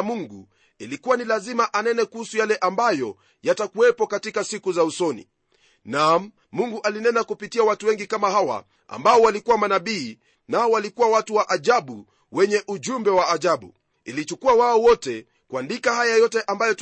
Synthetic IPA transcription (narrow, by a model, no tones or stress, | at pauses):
muŋɡu | ilikuwanilazimaʔanɛnɛkuhusujalɛʔambajɔ | jatakuwɛpɔkatikasikuzausɔnḭ | nam | muŋɡuʔalinɛnakupitiawatuwɛŋɡikamaɦawa̰ | a̰mbaɔwalikuwamanaɓiː | naɔwalikuwawatuwaʔaʄaɓu | wɛɲɛʔuʄumbɛwaːʄaɓṵ | ilit͡ʃukuawaɔwɔtɛ | kwandikahajajɔtɛʔambajɔt